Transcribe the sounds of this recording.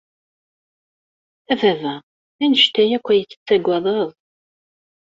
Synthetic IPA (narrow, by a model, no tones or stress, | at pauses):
ævævæ | ænəʃt̪æjækʷːæjət͡sːə̥t͡sːæɡʷɑðˤɑðˤ